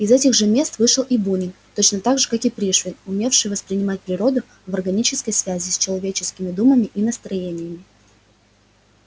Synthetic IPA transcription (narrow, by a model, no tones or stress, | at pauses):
ɪzɛtʲɪɣʐɨmʲe̞st̪vɨʂɨlˠibunʲɪnt̪o̞t͡ɕnət̪aɡʐɨkakɪpɾʲiʂvʲɪnʊmʲe̞fʂɨjvəspɾʲɪnʲɪmat̚ʲpɾʲɪɾo̞d̪ʊ | vɐrɡɐnʲit͡ɕɪskəjsvʲæzʲɪsʲt͡ɕɪlˠɐvʲet͡ɕɪ̥skʲɪmʲɪd̪uməmʲɪʔinəst̪ɾɐjenʲɪjəmʲɪ